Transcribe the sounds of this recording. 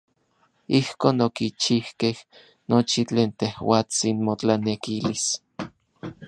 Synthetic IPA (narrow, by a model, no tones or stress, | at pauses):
ihkoːnokit͡ʃihkeh | not͡ʃit͡ɬeːnt̪ehwaːt͡sinmot͡ɬanekilis